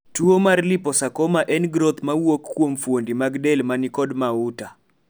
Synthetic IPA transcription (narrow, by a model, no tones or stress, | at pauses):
tuomarlipɔsakɔmaʔɛnɡɾot̪mawokːwomfwondimaɡdɛlmanɪkɔdmauta